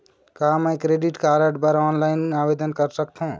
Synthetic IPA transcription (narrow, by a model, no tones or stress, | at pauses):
kaɦməjkɾeɖiʈkaɾəʈbəɾɔnlajneabed̪ənkəɾsəkt̪ʰũ